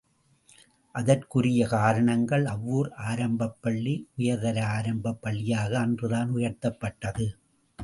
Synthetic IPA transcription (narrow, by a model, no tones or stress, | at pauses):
ʔɐðɐrkʊɾɪjɐkaːɾɐɳɐŋɡɐɭɐʋːuːɾaːɾɐmbɐpːɐɭːiʔʊjɐɾðɐɾɐaːɾɐmbɐpːɐɭːɪjaːɣɐːndrɯðaːnʊjɐɾt̪ːɐpːɐʈːɐðɯ